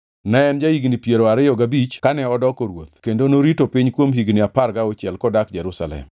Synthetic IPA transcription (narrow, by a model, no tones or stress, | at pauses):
nɛɛnd͡ʒaiɡnipjeɾoaɾɪjɔɡabit͡ʃkanɛɔdɔkoɾwo̰t̪kendonoɾitopiɲkwomɦiɡnɪapaɾɡaɔt͡ʃjɛlkɔdakd͡ʒɛɾusa̰lɛ̰m